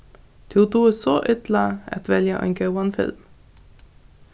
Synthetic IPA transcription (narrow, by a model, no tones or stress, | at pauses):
d̪̥ʰut̪uːəsoːʔʏt̪ləɑ̰t̪ʋɛljəʔœ̰ŋɡəwɑnfɪ̰lm